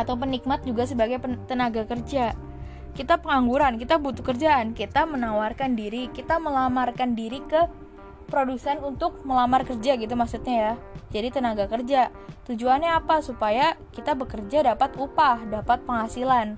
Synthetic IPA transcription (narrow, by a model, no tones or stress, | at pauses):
at̪awp̬ənik̚mat̪̚d͡ʒuɡasəbaɡajpət̪ənaɡakərd͡ʒa | kit̪apəŋaŋɡuɾankit̪abut̪ukərd͡ʒaːnkit̪amənawarkandiɾikit̪aməlamarkandiɾikə | pɾodusɛnunt̪ʊk̚məlamarkərd͡ʒaɡit̪̬umaksut̪̚ɲajad͡ʒadit̪ənaɡakərd͡ʒa | t̪ud͡ʒuanɲaːpasupajakit̪abəkərd͡ʒadapat̪upahdapat̪̚pəŋhasilan